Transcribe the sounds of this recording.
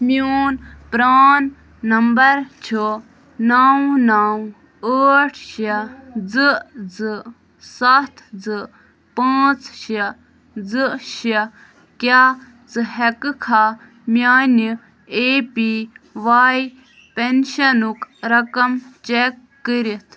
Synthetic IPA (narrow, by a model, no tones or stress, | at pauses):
mjoːnpɾaːnː | ɐmbɐɾt͡ʃʰu | nawnaw | əːʈʰʃɐd͡zɨd͡zɨ | sɐt̪ʰd͡zɨ | paːt͡sʃɐ | d͡zɨʃi | kʲa | d͡zɨɦɛkɨkʰa | mʲjaːni | eːpiʋaːj | penʃɐnukɾɐkɐmt͡ʃekːɨɾit̪ʰ